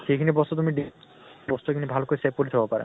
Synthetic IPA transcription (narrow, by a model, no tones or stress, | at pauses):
ʃejkʰinebɔst̪ot̪umiɖi | bɔst̪oekʰinebʱalokoɾesep̚koɾet̪ʰɔkapaɾḛ